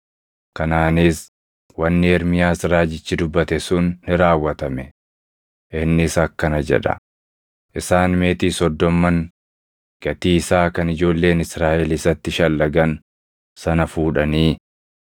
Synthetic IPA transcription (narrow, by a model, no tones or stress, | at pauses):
kɐnaːnɪs | wɐnːɪɛɾmɪjaːsɾaːd͡ʒɪt͡ʃːɪd̪ʊbːɐt̪ɛsʊnːɪɾaːwːɐt̪ɐmɛ | ʔɪnːɪsɐkːɐnɐd͡ʒɛ̰ᶑɐ̰ | ʔɪsaːnme̞ːt̪iːsɔd̪ːɔmːɐŋ | ɡ̥ɐt̪iːɪsaːkɐnɪd͡ʒo̞ːlːe̞ːnɪsɾaːʔɛlɪsɐt̪ːɪʃɐlːɐɡɐn | sɐnɐfuːᶑɐniː